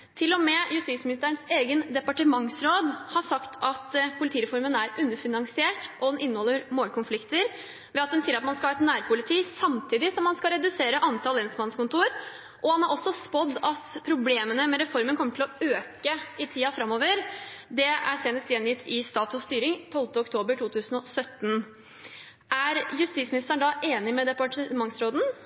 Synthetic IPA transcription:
t̪ʰɪlːɔmɛjʉst̪iːsmɪnɪst̪əəɳseːɡənd̪ɛpɑʈəmɑŋsɾoːd̪hɑɾsɑkt̪ʰɑt̪pʰʊlɪt̪ʰiːɾɛfɔɾmənæɾʉnːəɾfɪnɑŋsɪeːʈʔɔd̪ɛnɪnːəhɔlːəɾmoːlkʰʊnflɪkt̪əɾ | ʋɛɑt̪̚d̪ɛnsiːəɾɑt̪mɑnskɑhɑːɛt̪næːɾpʰʊlɪt̪ʰiːsɑmt̪ʰiːd̪ɪsɔmhɑnskɑɾɛd̪ʉseːɾəʔɑnt̪ʰɑːlɛnsmɑnskʊnt̪uɾ | ʔɔhɑnhɑɾʔɔsːɔspɔd̪ːɑt̪pʰɾʊbleːmənəmɛɾɛfɔɾmənkʰɔmːəʈʰɪlɔøːkəɪt̪ʰiːɑfɾɑmːoːʋəɾd̪ɛæ̰seːnəst̪jɛnjɪt̪ʰːɪst̪ɑːt̪ɔst̪yːɾɪŋt̪ʰɔlft̪əɔkt̪ʰoːbəʈʰuːt̪ʰʉːsn̩ɔsœt̪ːn | ʔæɾjʉst̪iːsmɪnɪst̪əɳɖɑʔeːnɪmɛd̪ɛpɑʈəmɑŋsɾoːd̪n̩

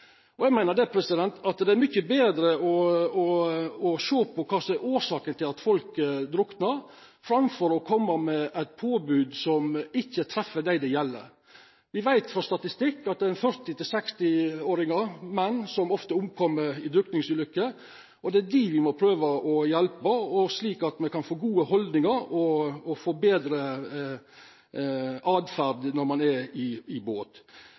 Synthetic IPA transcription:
ɔjɛɡmæɪnəd̪ɛpʰɾɛsɪd̪ɛnt̪ɑt̪d̪ɛæɾmʏçːəbeːd̪ɾəɔɔɔʃoːpʰɔkʰɑːsɔɛʔoːɾʂɑːkənt̪ʰɪlɑt̪fɔlkəd̪ɾʊknəɾ | fɾɑmfɔɾɔkʰɔmːəmɛʔæɪt̪̚pʰoːbʉːd̪sɔmɪçːət̪ʰɾɛfːəd̪æɪd̪ɛjɛlːə̰ɾ | ʋɪʋæɪt̪fɾɔst̪ɑt̪ɪst̪ɪkːɑt̪̚d̪ɛæɾɛnfœɾt̪ɪt̪ɪlsɛkst̪ɪoːɾɪŋəmɛnːsɔmɔft̪əʊmkʰɔmːəɾɪd̪ɾʉkt̪ɪŋsʉːlʏkːə | ɔd̪ɛæd̪iʋɪmɔpʰɾøːʋəʔɔjɛlpəɔsliːkɑt̪mɛkʰɑnfoːɡuːəhɔld̪nɪŋəɾɔɔfoːbeːd̪ɾə | ʔɑːd̪fæɾd̪nɔɾmɑnɛɾɪɪboːt̪

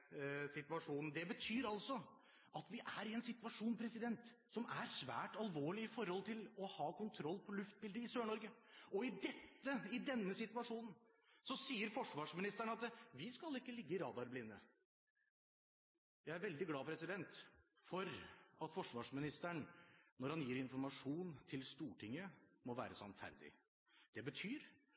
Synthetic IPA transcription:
sɪt̪ʋɑʂuːnn̩d̪ɛbət̪ʰyːɾɑlsɔ | ʔɑt̪ʋɪʔæɾɪɛnsɪt̪ʋɑʂuːnpʰɾɛsɪd̪ɛnt̪ | sɔmæɾsʋæ̰ːʈɑlʋoːɭɪɪfɔɾhɔlt̪ʰɪlɔhɑːkʊnt̪ʰɾɔlːpʰɔlʉft̪̚bɪld̪əɪsøːɳɔɾɡəɔɪd̪ɛt̪ːəɪd̪ɛnːəsɪt̪ʋɑʂuːnn̩ | sɔsiːəɾfɔʂʋɑːʂmɪnɪst̪æɳəɑt̪ʋɪskɑlɪkːəlɪɡːəɪɾɑːd̪ɑɾblɪnːə | jæɪæɾʋɛld̪ɪɡlɑːpʰɾɛsɪd̪ɛnt̪ | fɔɾɑt̪fɔʂʋɑːʂmɪnɪst̪æɳnɔɾhɑnjiːɾɪnfɔɾmɑʂuːnt̪ʰɪlst̪uːʈʰɪŋːəmɔʋæ̰ːɾəsɑ̰nfæ̰ɾd̪ɪ̰ | d̪̥ɛbət̪ʰyːɾ

